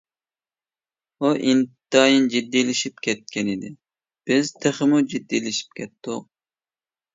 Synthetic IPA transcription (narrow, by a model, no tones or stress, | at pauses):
oʔint̪ɑjind͡ʒid̪ːijlɪʃip̚kʲʰɛt̪̚kʲʰɛnɪd̪ɪ | b̥ɪz̥t̪ʰeχəmud͡ʒid̪ːilɪʃi̥p̚kʲʰɛt̪ːʊq̚